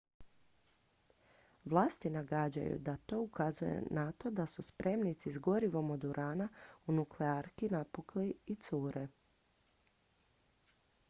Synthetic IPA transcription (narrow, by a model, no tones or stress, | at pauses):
ʋlˠaːst̪inaɡad͡ʑa̰jṵd̪at̪o̞ːukazuje̞̰nat̪o̞d̪asuspɾʔe̞mnit̪sizɡo̞ɾiʋo̞mod̪uɾʔaːnaunukleaɾkinapukliit̪suːɾe̞